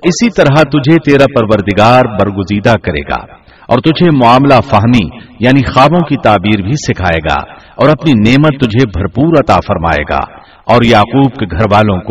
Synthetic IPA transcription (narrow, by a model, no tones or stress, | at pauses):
ɪsit̪ɐɾɦat̪ʊd͡ʒʱet̪eːɾapɐɾʋəɾd̪ɪɡaːɾbɐɾɡʊziːd̪akɐɾḛːɡa̰ː | ɔ̰ːɾt̪ʊd͡ʒʱemʊaːmlafɐɦmijaːnixaːbõkit̪aːbiːɾbʱisɪkʰaːeːɡa̰ːɔːɾɐpnineːmət̪ːʊd͡ʒʱebʱɐɾpuːɾɐt̪afɐɾma̰ːḛːɡa̰ː | ɔːɾjaːquːb̚keɡʱɐɾʋaːlõko